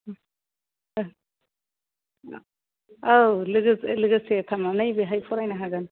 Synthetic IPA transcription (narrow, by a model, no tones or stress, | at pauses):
awlɯɡɯslɯɡɯset̪ʰamanajbɯɦajpʰɔɾajnaɦaɡan